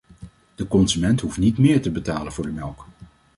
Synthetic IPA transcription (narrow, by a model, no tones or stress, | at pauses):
d̥əkɔnzymɛntɦuftnitmɪːɹtəbətaːlənvʊːɹdəmɛlˠk